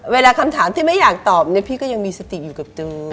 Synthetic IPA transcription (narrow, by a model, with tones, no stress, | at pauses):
weː˧laː˧kʰa˧mt̪ʰaː˩˦mt̪ʰiː˥˩ma˥˩jaː˨˩k̚t̪ɔː˨˩p̚ni˦˥ɐpʰiː˥˩kɔ˥˩ja˧ŋmiː˧sa˧t̪i˨˩juː˨˩ka˨˩p̚t͡ɕɯː˧